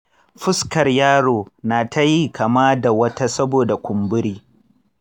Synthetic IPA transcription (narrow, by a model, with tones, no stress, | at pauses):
ɸɪ˦skɐ˨rjaː˦ɽoː˨naː˨ta˦ji˦kʰɐ˨ma˦da˨wɐ˦ta˦sɐ˦boː˨da˨kʷʊ˨mbʊ˦ɽiː˦